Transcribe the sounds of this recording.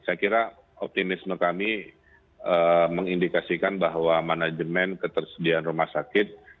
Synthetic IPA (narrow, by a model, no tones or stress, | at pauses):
sajakiɾa | ɔp̚t̪imɪsməkami | əməŋindikasikanbaɦwamanad͡ʒəmɛnkət̪ərsədianrumahsakɪt̪̚